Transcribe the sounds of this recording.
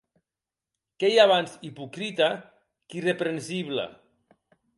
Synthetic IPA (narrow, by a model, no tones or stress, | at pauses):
kejaβansipukɾit̪a | kirepɾensiβla̰